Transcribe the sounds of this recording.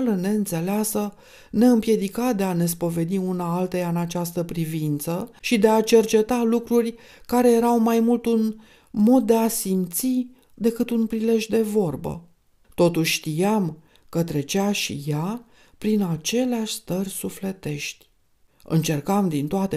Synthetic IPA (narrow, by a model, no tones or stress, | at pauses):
ləne̞ɨnt̪se̞leasə | ne̞ɨmpje̞d̪ikad̪e̞ane̞s̬po̞ve̞d̪iunaalt̪ejaɨnat͡ʃast̪əpɾivint̪səʃid̪e̞at͡ʃe̞rt͡ʃe̞t̪alukɾurʲ | kaɾe̞je̞ɾawmajmult̪un | mo̞d̪̚ːe̞asimt̪si | d̪e̞kɨt̪unpɾile̞ʒd̪e̞vo̞rbə̰ | t̪o̞t̪uʃʲʃt̪ijam | kət̪ɾe̞t͡ʃeaʃḭja | pɾinat͡ʃe̞leaʃʲst̪ərʲsufle̞t̪e̞ʃt̪ʲ | ɨ̰nt͡ʃe̞rkamd̪int̪oat̪e